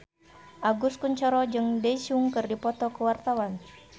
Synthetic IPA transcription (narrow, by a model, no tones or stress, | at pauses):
ʔaɡuskuɲt͡ʃɔɾɔd͡ʒɨŋdɛsuŋkɨrdipɔt̪ɔkəwart̪awan